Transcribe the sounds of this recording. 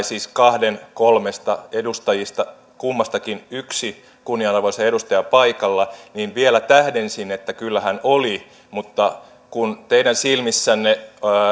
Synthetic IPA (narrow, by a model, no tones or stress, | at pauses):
siːskɑhdenkolmest̪ɑedust̪ɑjist̪ɑ | kumːɑst̪ɑkinyksi | kunːiɑnɑrʋoiseedust̪ɑjɑpɑikɑlːɑniːʋʋielæt̪æhdensinet̪ːækylːæhænoli | mut̪ːɑ | kunt̪eidænsilmisːænːe